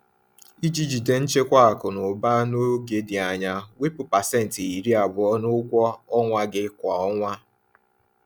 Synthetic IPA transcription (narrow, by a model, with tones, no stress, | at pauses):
i˦d͡ʒi˦d͡ʒi˨de˨n̩˦t͡ʃe˦kʷa˦a˨kʊ˨nʊ˨ba˦no˦ɡe˨dɪ˨a˨ɲa˦we˦pʊ˨pa˨sɛ˦n̩˨ti˨i˨ɾi˦a˨bʊ˨ɔ˦nʊ˦kʷɔ˦ɔ˦ŋʷa˦ɡɪ˦kʷa˨ɔ˦ŋʷa˦